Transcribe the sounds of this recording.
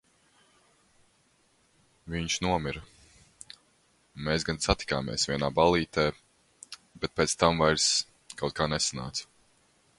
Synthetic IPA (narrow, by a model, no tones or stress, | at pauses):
viɲʃnuɔmiɾɐ | meːsɡansat̪i̥ka̰ːmḭɛsvʲiɛnaːbalˠiːt̪ɛː | bɛt̪̚peːt̪st̪amvajɾs | kawt̪̚kʰaːnɛsana̰ːt̪s